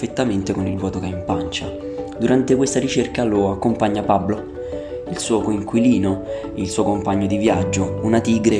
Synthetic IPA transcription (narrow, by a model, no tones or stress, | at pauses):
fet̪ːament̪ekonilvwɔːt̪okɛaimpant͡ʃa | d̪uɾant̪ekwest̪aɾit͡ʃerkaloakːompaɲːapablo | ilsuːokoiŋkwiliːno | ilsuːokompaɲːod̪ivjad͡ʒːounat̪iːɡɾe